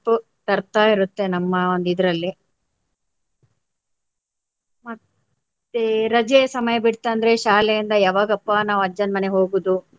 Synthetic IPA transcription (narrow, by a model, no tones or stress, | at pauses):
pːu | t̪ɐɾt̪aːiɾut̪ːe̞nɐmːɐond̪id̪ɐɾɐlːi | mɐt̪ː | eɾɐd͡ʒesɐmɐjɐbiɽt̪ːeɐnd̪ɐɾe̞ʃaːlɛjind̪ɐjaːʋaːɡɐpːanaːʋɐd͡ʒɐnmɐneɦo̞ːɡuːd̪u